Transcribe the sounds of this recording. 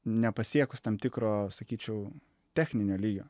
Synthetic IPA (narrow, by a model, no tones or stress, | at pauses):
nʲɛpɐsʲiɛkʊst̪ɐmt̪ʲɪkɾoːsɐkʲiːt͡ʃʲɛʊ | t̪ʲæːxʲnʲɪnʲoːlʲiːɡʲo̰ː